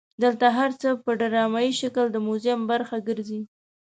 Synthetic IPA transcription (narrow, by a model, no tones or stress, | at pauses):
d̪əlt̪aɦaɾt͡səpəɖaɾɑmajiʃakəld̪əmuzɪmbaɾxaɡəɾzi